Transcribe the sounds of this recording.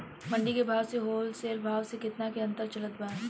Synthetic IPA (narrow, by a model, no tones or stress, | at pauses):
mɐ̃ɳɖikebʱaːʋseɦoːlseːlbʱaːʋsekɪt̪nakeɐ̃nt̪əɾt͡ʃɐlət̪baːɾ